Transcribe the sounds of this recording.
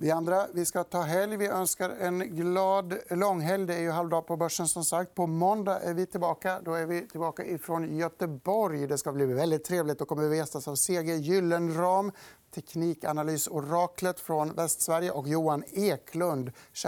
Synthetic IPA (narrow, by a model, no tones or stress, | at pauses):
vɪand̪ɾavɪskat̪ʰɑːɦɛljvɪʔœnskaɾɛnɡlɑːd̪lɔŋːɦɛljd̪ɛæɾjɵɦalvd̪ɑːɡpʰɔbœʂːənsɔmsakt̪̚pʰɔmɔnd̪aʔæɾvɪt̪ʰɪlbɑːkad̪ɔæɾvɪt̪ʰɪlbɑːkaʔɪfɾɔnjœt̪əbɔɾjd̪ɛskabliːvɛld̪ɪt̪ʰːɾeːvlɪt̪d̪ɔkʰɔmːəɾvɪvɛst̪asavseːɡejʏlːənɾɑːmt̪ʰɛkʰniːka̰nalyːsʊɾɑːklət̪fɾɔnvɛst̪svæɾjəʔɔkjuːaneːkʰlɵnd̪